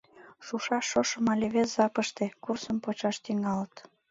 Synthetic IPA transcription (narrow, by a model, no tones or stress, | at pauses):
ʃuʃɑʃːoʃə̆mɑlʲeβeszɑpəʃt̪ekursəmpot͡ɕɑʃt̪yŋɑlət̪